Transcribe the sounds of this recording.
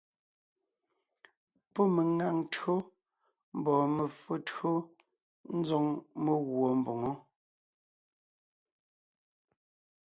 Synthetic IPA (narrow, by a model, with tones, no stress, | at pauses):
pɔ˦me˨ŋa˨ŋtɰo˦ | m̩˦bɔː˨me˨fə˨tɰo˦ | n̩˦zo˦ŋme˨ɣwo˨m̩˨bo˨ŋo˦